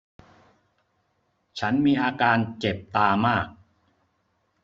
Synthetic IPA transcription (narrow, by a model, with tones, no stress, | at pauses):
t͡ɕʰa˦˥nmiː˧ʔaː˧kaː˧nt͡ɕe˨˩p̚t̪aː˧maː˥˩k̚